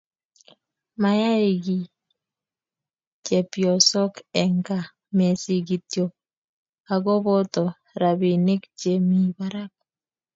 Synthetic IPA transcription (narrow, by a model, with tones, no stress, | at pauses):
ma˨ja˦ɪ˨ɡi˨ | t͡ʃe˨pjɔ˨sɔ˦kɛ˨ŋɡa˨ | me˨si˨ɡi˨t̪jo˨ | a˨ɡɔ˦bɔ˦t̪ɔ˨ | ɾa˨bi˨ne˦kt͡ʃe˦mi˦˨ba˦ɾa˦k̚